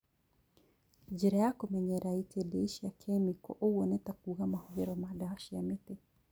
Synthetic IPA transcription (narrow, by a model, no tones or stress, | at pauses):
d͡ʒiɾajakɔmɛɲɛɾaitʰɛdɛiʃiakʰɛmikɔ̰ʔowɔnɛtakuɣamahɔɣɛɾɔmadaaʃiamete